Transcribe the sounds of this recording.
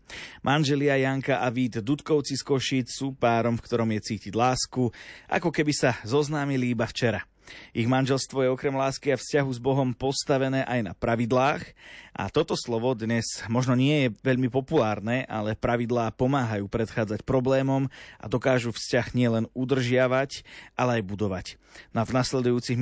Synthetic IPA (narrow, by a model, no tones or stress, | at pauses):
mʔanʒɛlɪajaŋkaʔaʋiːd̪ːut̪kɔʊt͡siskɔʃiːt͡ssuːpaːɾɔmfkt̪ɔɾɔmjɛt͡siːciɟlaːskuʔa̰kɔkɛbisazɔznaːmiliibaft͡ʃɛɾa | iɣmanʒɛlst̪ʋɔjɛɔkɾɛmlaːskiafscaɦuzbɔɦɔmpɔst̪aʋɛnɛːʔajna̰pɾaʋid̪laːxʔa̰t̪ɔt̪ɔslɔʋɔd̪ɲɛzmɔʒnɔɲɪɛjɛʋɛʎmipɔpulaːɾnɛːʔa̰lɛpɾaʋid̪laːpɔmaːɦajuːpɾɛt̪xaːd͡zacpɾɔblɛːmɔmʔa̰d̪ɔkaːʒufscaɣɲɪɛlɛnud̪r̩ʒɪaʋacʔalɛajbud̪ɔʋac | navnaslɛd̪ujuːt͡siɣm